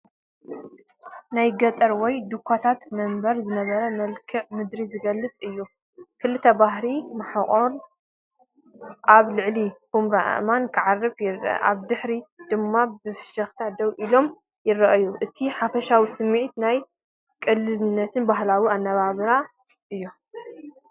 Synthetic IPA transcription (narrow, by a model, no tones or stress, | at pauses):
najɡɐt̪ʼɐɾwɔjd̪ukʰːat̪ʰat̪mɐmbɐɾzɨnɐβɐɾɐmɐlkʰɨʕmɨd̪ɾizɨɡɐlːɨt͡sʼɨjːu | kʰɨlːɨt̪ʰɐbaɦɾimɐħaχʼol | ʔaβlɨʕlikumɾaʔa̰ʔmankʰɨʕarːɨfjɪr̰ʔa̰βd̪ɨħɾid̪̥ɨmːabɨfɨ̥ʃɐxt̪ʰad̪ɐwʔilo̞m | jɪrɐʔɐjuʔɨt̪ʰiħafɐʃawisɨmːiʕit̪naj | kʼɨlːɨlnːɐt̪ʰɨnbaɦlawianːɐβaβɨɾa | ʔɨjːu